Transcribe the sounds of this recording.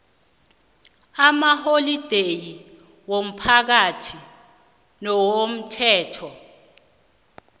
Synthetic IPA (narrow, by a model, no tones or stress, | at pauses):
amaholid̥ʱeji | wom̩pʰak̬atʰi | nɔwom̩tʰɛːtʰɔ